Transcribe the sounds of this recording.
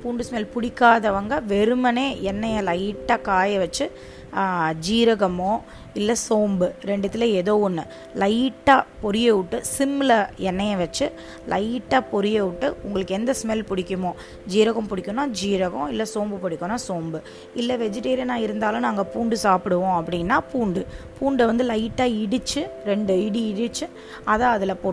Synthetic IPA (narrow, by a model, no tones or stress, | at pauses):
puːɳɖɯsmɛlpʊɽɪkːaːðɐʋɐŋɡɐʋɛɾɯmɐneːɛnːɐjɐlɐɪʈːaːkaːjɐʋɐt͡ʃːɯ | d͡ʒiːɾɐɣɐmõː | ɪlːɐsoːmbɯɾɛɳɖɯt̪ːɪlɐɛðoːɔnːɯ | lɐɪʈːaːpɔɾɪjeʊʈːɯsɪmːɪlɐɛnːɐjɐʋɐt͡ʃːɯ | lʔɐɪʈːaːpɔɾɯjeʋʊʈːɯʊŋɡɐɭɯkːɯɛnd̪ɐsmɛlpʊɽɪkːɯmõː | d͡ʒiːɾɐɣɐ̃mpʊɽɪkːʊnaːd͡ʒiːɾɐɣõːɪlːɐsoːmbɯpʊɽɪkʲːɐnːaːsoːmbɯ | ɪlːɛʋɛd͡ʒɪʈːeːɾɪjɐnaːɪɾɯnd̪aːlʊ̃naːŋɡɐpuːɳɖɯsaːpɪɽɯʋõːɐp̬ːɐɽɪnːaːpuːɳɖɯpuːɳɖʋɐnd̪ɯlɐɪʈːaːɪɽɯt͡ʃːɯɾɛɳɖɯɪɽiɪɽɯt͡ʃːɯ | ɐðãːɐðɪlɐpoː